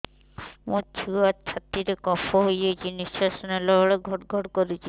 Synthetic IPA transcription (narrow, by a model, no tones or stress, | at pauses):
mũt͡ʃʰiat͡ʃʰat̪ːiɾekɔpʰoɦojet͡ʃʰinisasɔnelɔɔɭeɡʱɔʈɡʱɔʈkɔɾit͡ʃʰi